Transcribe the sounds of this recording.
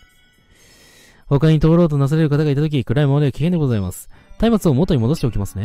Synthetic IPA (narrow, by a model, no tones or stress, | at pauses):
ho̞kaɲ̟it̪o̞ːɾo̞ːt̪̬o̞nas̬aɾe̞ɾɯ̟kat̪̬aɡait̪at̪o̞k̬ʲikɯ̟ɾaimoɾeokʲi̥ke̞nd̪e̞ɡo̞zaimasɨ̥t̪aimat͡sɨo̞mot̪ːo̞ɲ̟imo̞d̪oɕit̪e̞okʲimasɨ̥ne̞